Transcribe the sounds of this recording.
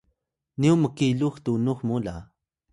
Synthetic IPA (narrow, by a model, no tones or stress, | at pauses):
niuməkiluxt̪unuxmula̰